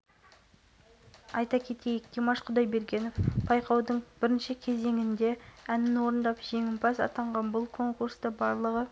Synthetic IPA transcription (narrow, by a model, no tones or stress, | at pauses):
ɑjt̪ɑkʲʰe̞t̪e̞jɪk̚t̪ʰemɑʃqʰʊd̪ɑjbe̞ɾɡʲe̞nofpʰɑjqʰɑwd̪əɴb̥ɪɾɪnʃɪkʲʰe̞ze̞ŋɪnd̪e̞ænɪnwo̞ɾənd̪ɑpʒ̥e̞ŋʲɪmpʰɑsɑ̰t̪ɑɴʁɑnbʊlˠkʰo̞ŋkuɾst̪əbɑɾlˠəʁə